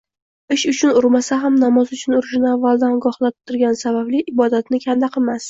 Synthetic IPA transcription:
ɪʃʊt͡ʃʰʊnʊɾmasaɦamnamɒzʊt͡ʃʰʊnʊɾɪʃɪnɪavːalˠd̪anɡɒhlˠat̪ʰːʊɾɡʲansabablɪʔɪbɒd̪at̪nɪkʲʰand̪aqʰɨmas

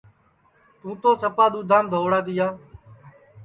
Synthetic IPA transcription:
t̪ũːt̪oːsəpaːɗ̪uːd̪ʱãːmd̪ʱoːʋɽaːt̪ɪːjaː

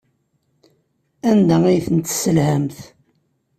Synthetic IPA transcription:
ænd̪æijθənt̪ːsəlhæmθ

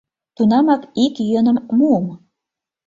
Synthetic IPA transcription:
t̪unɑmɑkikjønə̆mmuəm

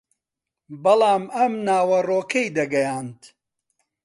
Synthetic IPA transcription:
bɐlɑːmɐmnaːwɐroːkʰɐjd̪ɐɡɐjaːnt̪

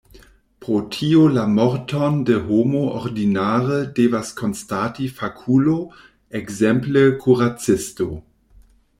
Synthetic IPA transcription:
pʁotʰiolamɔɾtondəɦomooʁdinaːʁədeːvaskʰonstatifakʰulo | ɛɡzɛmpləkʰuʁat͡sɪsto

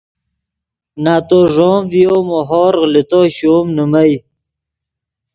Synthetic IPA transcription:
naːt̪oʐoːmvijomoɦoːɾɣlit̪oɕoːmnumaj

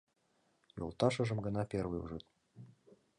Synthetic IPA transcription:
jo̰lˠt̪ɑʃɤ̆ʒə̆mɡɤ̆nɑpʲervɨ̰ṵʒɨt̪̚

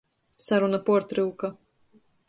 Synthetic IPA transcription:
saɾunapɔɔɾt̪ɾɨwka

